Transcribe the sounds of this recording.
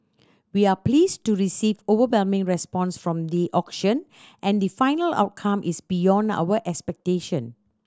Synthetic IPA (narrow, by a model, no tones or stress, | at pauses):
wiapliːstuɹisivovəwɛlmɪ̃ŋɹɛspɔ̃nsfɹɔ̃md̪iʔɔkʃə̃n | ʔɛ̃ndifãɪnəla̰ʊt̚kʰãmʔisbijɔ̃nda̰wəʔɛkspɛk̚teʃə̃n